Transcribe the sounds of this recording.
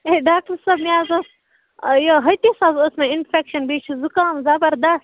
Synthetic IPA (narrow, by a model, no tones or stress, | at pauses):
eɖaːk̚ʈɐɾsɐbmiaːzɐs | joɦɐt̪isazosmɐinfʰekʃɐnbiːt͡ʃʰuzukãːmzɐbɐɾd̪ɐst̪